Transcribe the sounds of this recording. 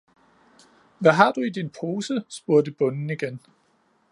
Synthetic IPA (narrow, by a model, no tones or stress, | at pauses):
ʋæɦɑ̈d̥uid̥inpʰo̝ːsəsb̥uɐ̰d̥əb̥ɔ̽nn̩iɡ̥en